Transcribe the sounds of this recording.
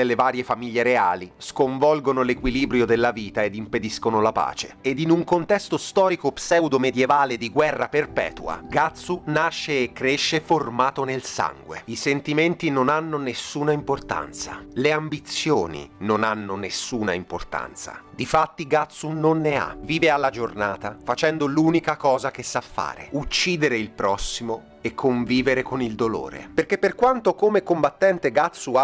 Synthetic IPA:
elːevaːɾjefamiʎːeɾeaːliskoɱvɔlɡonolekwiliːbɾjod̪elːaviːt̪aed̪imped̪iskonolapa̰ːt͡ʃeed̪inuŋkont̪ɛst̪ost̪ɔːɾikopsɛwd̪omed̪jevaːled̪iɡwɛrːaperpɛ̰ːt̪ua̰ɡat̪sːunaʃːeːkːɾeʃːeformaːt̪onelsa̰ŋɡwḛisent̪iment̪inonanːonesːuːnaimport̪a̰nt̪sa̰leambit̪sjo̰ːnḭnonanːonesːuːna̰import̪a̰nt̪sa̰d̪ifat̪ːiɡat̪sunonːea̰viːvealːad͡ʒornaːt̪afat͡ʃɛnd̪oluːnikakɔːzakesːafːa̰ːɾḛut͡ʃːiːd̪eɾeilpɾɔsːimo | ekʰːoɱviːveɾekonild̪olo̰ːɾḛperkepːerkwant̪okomekombat̪ːɛnt̪eɡat̪sːua

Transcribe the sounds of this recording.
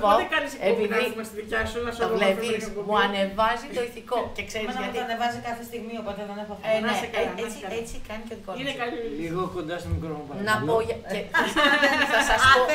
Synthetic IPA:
poot̪ekɐɾisepinmɐst̪iðucɐsunɐsɐlevismuɐne̞vɐzit̪oiθiko̞cekse̞ɾizʝɐt̪iɐɐnevɐzikɐθest̪iɣmiopo̞t̪eðenepofɐneekeiɐet͡sikɐnicoðikoineɐliiɣokond̪ɐsɐmuɡɾomupɐnɐpoʝɐeeeɐθɐsɐspo

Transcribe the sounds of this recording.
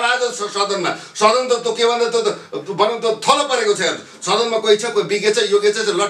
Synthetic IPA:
ɾat̪ossʌd̪ʌnma̰sʌd̪ʌnt̪ʌt̪jokebʱʌnd̪at̪obʌnʌnt̪ot̪ʰʌlʌpʌɾekot͡sʰʌeɾ | sʌd̪ʌnmakʌɦit͡sʰʌkbiɡet͡sʰʌjoɡet͡sʰʌt͡slʌ

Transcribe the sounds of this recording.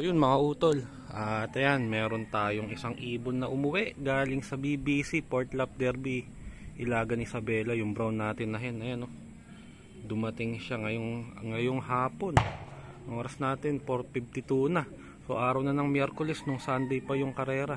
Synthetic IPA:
jonmɐŋɐʔuːt̪ol | ʔaːt̪ɐjanmɛːɾo̞nt̪aːjoŋʔɪsaŋʔiːbonːɐʔʊmʊwɛʔɡaːlɪŋsɐbiːbiːsipoɹt̪lɐp̚d̪ɛɾbi | ʔɪlaːɡɐnɪsɐbɛːlɐjʊŋbɾawnːaːt̪ɪnːɐɦɛnːɐjono | d̪ʊmɐt̪ɪŋʃaŋɐjoŋɐŋɐjoŋhaːpo̞n | ɐŋʔoːɾɐsnaːt̪ɪnpoɾt̪̚fib̚t̪ɪt̪uːnɐ | so̞ʔaːɾɐwnɐnɐŋmjɛɾkolɛsnʊŋsand̪ɐjpɐjʊŋkɐɾɛːɾɐ

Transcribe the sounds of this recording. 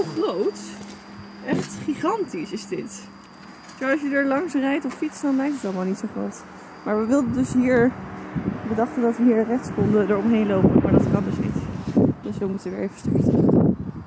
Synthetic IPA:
oχrowt | ʔɛχtχiχɑntisɪzdɪt | joɑʃjədəɹlɑŋsrɛjtɔffitsdɑnlɛjk̚tətɑlˠəmalˠnitsowχro̰wt | maːɹʋəʋɪlˠdəndɵsɦiːɹ | ʋədɑχtəndɑtʋəɦiːɹrɛχtskɔndədəɹɔmɦejnlowpənmaːɹdɑ̰tkɑndɵsnḭtd̥øsʋəmutəʋəʋɪːɹevəstɑ̰ɹtə

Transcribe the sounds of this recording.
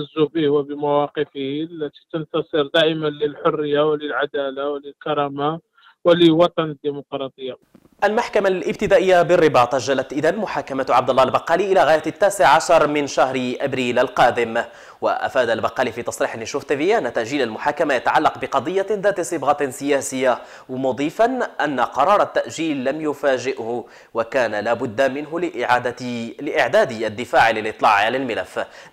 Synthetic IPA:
zːubihwabəmawɑqəfəhilːæt̪i̥t̪ənt̪ɑsˤəɾd̪aʔɪmanləlħʊrːəjːawləlʕad̪alawləlkɑɾˤɑma | wələwɑt̪ˤɑnəd̪ːimʊqɾˤɑt̪ˤəjːa | ʔalmaħkamalʔɪb̚t̪ɪd̪aːʔəjːabɪrːɪbɑːt̪ˤʔʒːalːat̪ʔɪd̪anmʊħaːkamat̪ʕab̚d̪ʊlːɑːlbɑqːɑːliʔɪlaɣaːjatt̪ːaːsɪʕʕaʃɑɾˤmɪnʃahɾʔabɾiːlʔalqɑːd̪ɪm | wa̰ʔa̰faːd̪albɑqːɑːlifit̪ˤɑsˤɾiːħnɪʃʊht̪abiʔanːat̪ːaʔʒiːlalmʊħaːkamajat̪aʕalːɑqbɪqɑd̪ˤɨjːaðaːt̪sˤɨbɣɑsɪjaːsɪjːa | wmʊd̪ˤiːfanʔanːaqɑɾˤɑːɾˤɑt̪ːaʔʒiːlːamjʊfaːʒɪʔhʊ | wakaːnalaːbʊd̪ːamɪnɦʊlʔʕad̪lɪʔɪʕd̪æːd̪ad̪ːɪfaːʕlɪlʔɪt̪ˤːlɑ̰ːʕalalmɪlæfː

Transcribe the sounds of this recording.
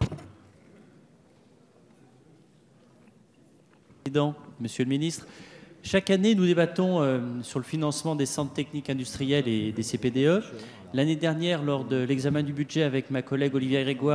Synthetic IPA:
id̪ɑ̃məsjøləminist̪χʃakanenud̪ebat̪ɔ̃øsyʁləfinɑ̃smɑ̃d̪esɑ̃t̪χt̪ɛknikɛ̃d̪yst̪χijɛled̪eseped̪eø | laned̪ɛʁnjɛʁlɔʁd̪əlɛɡzamɛ̃d̪ybyd̪ʒɛavɛkmakɔlɛɡɔlivjeɡʁeɡwa

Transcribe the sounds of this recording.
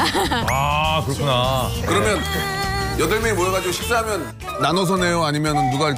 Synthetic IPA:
akɯɾʌkʰunakɯɾʌmjʌn | jʌdɯɭmjʌŋimoɾʌɡad͡ʑiɡoɕʰi̥p̚s͈aɦamjʌnː | anos̬ʰʌne̞joaɲimjʌnɯnːuɡa

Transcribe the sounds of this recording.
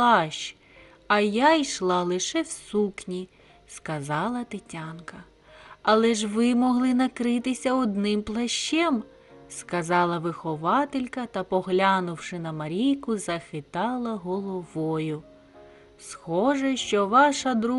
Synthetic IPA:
ɑʃt͡ʃ | ɐjajʃlˠɑlˠɪʃɛwsuknʲi | skɐzɑlˠɐt̪ɪtʲɑnkɐ | ɐlˠɛʒʋɪmɔɦlˠɪnɐkɾɪt̪ɪsʲɐɔd̪nɪmplˠɐʃt͡ʃɛm | skɐzɑlˠɐʋɪxɔʋɑt̪ɪlʲkɐt̪ɐpɔɦlʲanʊwʃɪnɐmɐɾʲijkʊzɐxɪt̪ɑlˠɐɦɔlˠɔʋɔjʊ | sxɔʒɛʃt͡ʃɔʋɑʃɐd̪ɾu

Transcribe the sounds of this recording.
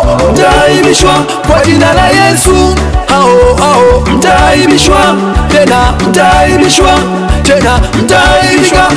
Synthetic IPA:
m̩taimiʃwa | kwad͡ʒinalajɛsu | haɦɔaɦɔm̩taimiʃwa | tɛnam̩taimiʃwa | tɛnam̩taiika

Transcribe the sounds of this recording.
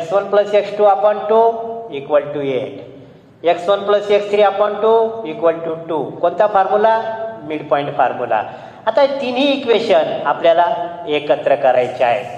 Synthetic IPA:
eksʋənpləseksʈuapəɳʈuikʋəlʈueʈ | eksʋənpləsekst̪ʰɾiːapəɳʈuikʋəlʈuʈukoɳt̪afaɾmulamiɽpɔiɳʈfɔɾmula̰ | at̪at̪inɦiːkʋeɕənapljalaekət̪ɾəkəɾa̰jt͡ɕa̰ḛ

